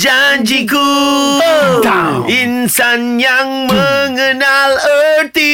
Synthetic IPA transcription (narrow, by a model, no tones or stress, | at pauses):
d͡ʒaɲd͡ʒiku | ainsanjaŋməŋənalət̪i